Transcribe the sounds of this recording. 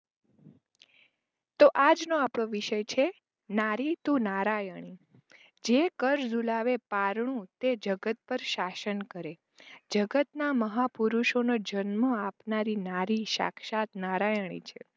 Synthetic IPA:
t̪oʔad͡ʒnoapɽ̃oʋɪʃəjt͡ʃʰe | naɾit̪ũnaɾajəɳ̃i | d͡ʒekəɾd͡ʒulaʋepaɾɳũt̪ed͡ʒəɡət̪̚pəɾʃaʃənkəɾe | d͡ʒəɡət̪naməɦapuɾuʃonod͡ʒənməapnaɾinaɾiʃa̰kʰʃat̪naɾajəɳ̃ḭt͡ʃʰḛ

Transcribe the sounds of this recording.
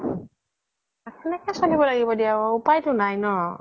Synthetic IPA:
akɛnɛkɛsonibɔlaɡibɔdiaupajtʊnajnɔ

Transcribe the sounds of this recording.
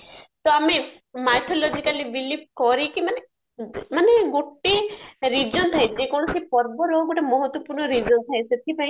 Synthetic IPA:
t̪ɔame | majt̪ʰɔlɔd͡ʒikaliʋilip̚kɔɾikimane | maneɡoʈeɾid͡ʒɔnt̪ʰajd͡ʒekɔɽ̃ɔsepɔɾbɔɾɔɡoʈemɔɦɔt̪wɔpuɾɳɔɾid͡ʒɔnt̪ʰajset̪ʰipãĩ

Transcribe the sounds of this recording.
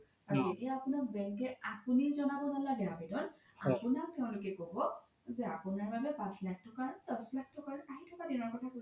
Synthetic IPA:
aɹuetijaːpʊnakbɛŋkɛapunizɔnabɔnalaɡɛabidɔn | a̰punak̚tɛʊ̃lokɛkobɔ | zɛapʊnaɹbabɛpãslak̚ʰtɔkadɔslak̚ʰtɔkaɹaɦitʰɔkadinɔɹkɔtʰako

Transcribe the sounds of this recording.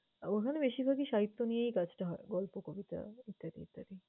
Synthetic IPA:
okʰanebeʃibʱaɡiʃaɦit̪ːonijejkad͡ʑʈaɦɔeɡɔlpokobit̪a̰it̪ːad̪ḭt̪ːaɾi

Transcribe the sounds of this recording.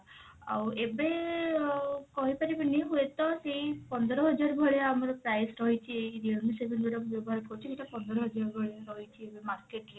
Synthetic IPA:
a̰webe | kɔɦipaɾibaniɦuet̪ɔsejpɔnd̪ʱɔɾɔɦɔd͡ʒaɾbʱɔɽeamɔɾɔpɾajsɾɔɦit͡ʃʰiejɾiomisebʱenbʱɔɾɔkbjɔbɔɦaɾʈɔkɔɾit͡ʃʰikiʈapɔnd̪ɔɾɔɦɔd͡ʒaɾbʱɔɽeɾɔɦit͡ʃʰiebemaɾkeʈɾe

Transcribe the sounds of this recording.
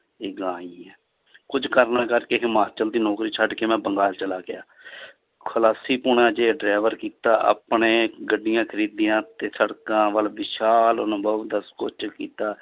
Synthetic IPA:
eːɡãːiɛː | kʊd͡ʒkəɾnaːkəɾkeːɦɪmaːt͡ʃəld̪iːnɔːkɾiːt͡ʃʰəɖkeːmɛ̃ːbəŋɡaːlt͡ʃəlaːɡɪjaː | kʰəlaːsiːpʊɳãːd͡ʒeːɖɾaːʋəɾkiːt̪a̰ːʔa̰ːpɳẽːɡəɖɪjãːkʰəɾiːd̪ɪjãːt̪eːsəɽkãːʋəlʋɪʃaːlənʊbəʋd̪əskot͡ʃkiːt̪aː

